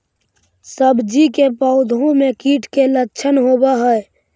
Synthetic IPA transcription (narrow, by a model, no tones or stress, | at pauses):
səbd͡ʒikepɔːʊd̪ʱõmẽkiːʈʰkelətːʃʰənɦoːbaɦɛe